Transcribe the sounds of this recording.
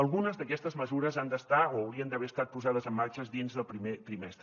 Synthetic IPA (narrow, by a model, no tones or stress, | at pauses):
əlˠɣunəzðəkɛst̪əzməzuɾəzand̪əst̪aoːwɾiənd̪əβɛəst̪at̪̚puzað̞əzəmːaɾt͡ʃəzðinzðəlˠpɾimet̪ɾimɛst̪ɾə